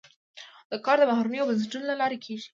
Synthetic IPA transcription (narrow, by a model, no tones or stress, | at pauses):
d̪̥əkɑɾd̪əmaɦɾunəjobans̬eʈunolalɑɾekʰeʒi̥